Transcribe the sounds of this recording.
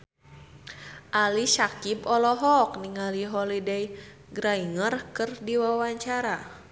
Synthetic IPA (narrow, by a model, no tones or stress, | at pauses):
ʔalisakipɔlɔɦɔk̚niŋaliɦɔlidɛj | ɡɾaiŋərkɨrdiwawaɲt͡ʃaɾa